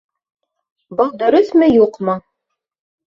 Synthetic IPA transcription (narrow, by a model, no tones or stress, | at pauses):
bɑʁd̪ɵ̆ɾɵθmɘjuqmɤ